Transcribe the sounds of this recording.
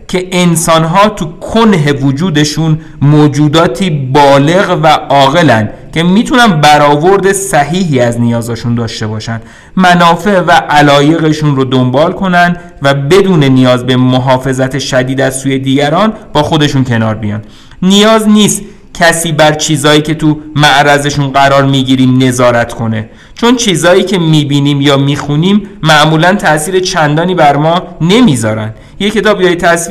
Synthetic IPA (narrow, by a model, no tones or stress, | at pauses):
cʰe̞ʔensɒːnɦɒːt̪ʰukʰonɦe̞vod͡ʒuːd̪e̞ʃun | moːd͡ʒuːd̪ɒːt̪ʰiːbɒːle̞ɣvæɒːɣe̞lænd̪̥ | cʰe̞miːt̪ʰunænd̪bæɾɒːvo̞ɾd̪e̞sæɦiːɦiːæznijɒːzɒːʃund̪ɒːʃt̪e̞bɒːʃænd̪̥ | mænɒːfe̞ʔvæʔælɒːje̞ɣe̞ʃunɾod̪ombɒːlkʰo̞nænd̪ | væbe̞d̪uːne̞nijɒːzbe̞moɦɒːfe̞zæt̪ʰe̞ʃæd̪iːd̪æzsuːje̞d̪iːɟæɾɒːnb̥ɒːxo̞d̪e̞ʃuncʰe̞nɒːɾbijɒ̰ːnd̪ | nijɒːzniːst̪ | cʰæsiːbæɾt͡ʃʰiːzɒːjiːce̞t̪ʰumæʔɾæze̞ʃunɢæɾɒːɾmiːɟiːɾiːmne̞zɒːɾæt̪ʰkʰo̞ne̞ | t͡ʃʰo̞nt͡ʃʰiːzɒːjiːcʰe̞miːbiːniːmjɒːmiːxuniːmːæʔmuːlænt̪ʰæʔsiːɾe̞t͡ʃʰænd̪ɒːniːbæɾmɒːne̞miːzɒːɾæ̰nd̪̥ | jecʰe̞t̪ʰɒːbjɒːjet̪ʰæs